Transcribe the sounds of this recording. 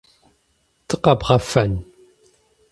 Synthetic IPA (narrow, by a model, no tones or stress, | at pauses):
t̪ʌqɑpʁɑfan